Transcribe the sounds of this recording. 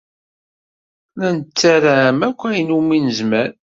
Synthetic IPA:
lænət͡sːæɾæmækʷːæjənuminəzmæɾ

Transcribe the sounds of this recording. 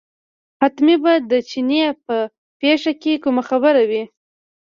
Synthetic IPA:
hat̪mibad̪ət͡ʃinjep̚ə | peʂakekumaxabəɾawi

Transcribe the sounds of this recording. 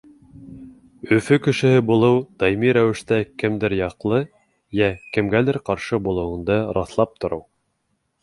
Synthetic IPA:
ɵ̆fɵkɘ̆ʃɘ̆hɘbulˠɤwd̪̥ɑjmiɾæwɘ̆ʃt̪ækɘ̆md̪ɘɾjɑqlˠɤ | jækɘ̆mɡælɘɾqɑɾʃɤbulˠɤ̆wɤ̆nd̪ɤɾɑθlˠɑp̚t̪ŏɾɤw

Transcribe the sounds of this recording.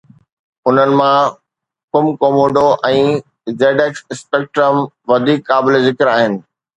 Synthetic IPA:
ʊn̤ənɪ̆mã | kʊmkoːmoːɖoʔɛ̃ː | zeːɖeːksɪspeːk̚ʈɾəm | ʋɐd̪ʱiːkːaːblezɪkɪɾaːɦɪnɪ̆

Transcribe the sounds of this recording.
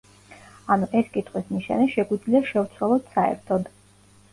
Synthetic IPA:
anuʔɛskʼit̪ʼqʼwismiʃa̰nɛʃɛɡwid̪zliaʃɛvt̪sʰwalˠɔd̪saɛ̰ɾt̪ʰɔd̪

